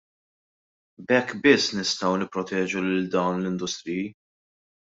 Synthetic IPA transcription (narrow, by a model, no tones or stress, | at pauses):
bɛkːbɪsːnɪst̪ɐwnɪpːɾɔt̪ɛːd͡ʒulɪld̪ɐwnlɪnd̪ʊst̪ɾiji